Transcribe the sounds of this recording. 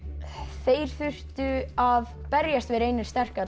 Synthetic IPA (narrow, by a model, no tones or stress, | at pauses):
θeːjɾ̥θʏr̥t̪ʏav | pɛɾjast̪vɪɾeːjnɪ̥st̪ɛr̥ka